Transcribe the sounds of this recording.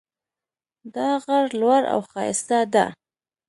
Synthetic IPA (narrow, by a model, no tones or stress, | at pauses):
d̪ɑɣaɾlwaɾa̰wxɑjɪst̪ad̪a̰